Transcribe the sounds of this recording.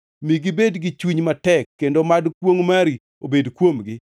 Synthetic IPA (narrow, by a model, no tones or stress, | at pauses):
miɡibedɡɪt͡ʃwiɲmatɛkːendomadkwoŋmaɾi | obedkwomɡɪ